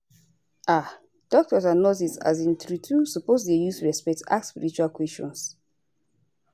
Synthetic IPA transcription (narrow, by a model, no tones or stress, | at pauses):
ʔa | d̥ɔk̚tɔsanɔsita̰zĩntɹitʰusɔposejustɹɛspɛk̚ta̰k̚tspiɹit͡ʃualkwɛst͡ʃɔ̰̃ns